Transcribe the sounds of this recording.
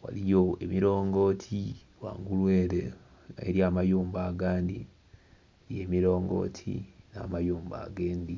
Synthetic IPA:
wa̰lijo̞emiɾo̞ːŋɡo̞ːtʰi | wa̰ːŋɡulweːɾḛ | ḛɾjamajuːmbaːɡaːndi | eɾje̞ːmiɾo̞ːŋɡo̞̰ːtʰḭna̰ːmajuːmba̰ɡe̞ːndi

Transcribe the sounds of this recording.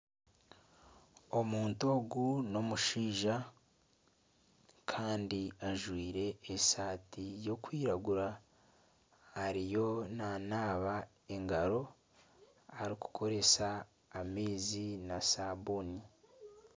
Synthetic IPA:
o̞muːntoːɡuno̞muʃiːʒa | kʰaːndiaʒwiːɾe̞ːsaːtijo̞kwiːɾaɡuɾa | aɾijo̞nanaːβa | e̞ŋɡaɾo̞ | aɾiku̥kʰo̞ɾe̞saː | meːzinasaβoni

